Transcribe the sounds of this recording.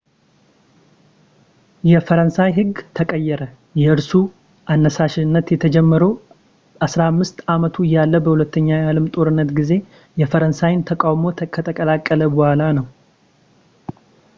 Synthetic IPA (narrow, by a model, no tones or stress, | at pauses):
jɛfəɾənsajɦɨɡt̪ʰəkʼəjːɛɾə | jɛɨɾsu | ʔanːəsaʃɪnːət̪jɛt̪ʰəd͡ʒɛmːəɾəw | ʔasɾamːɨst̪amət̪ʰuɨjːalːəbəhulət̪ːəɲːajalɨmt̪ʼo̞ɾɨnːət̪ɡize̞ | jɛfəɾənsajɪnt̪ʰəkʼawmo̞t̪ʰəkʰət̪ʼəkʼəlakʼːələbɔhalanəw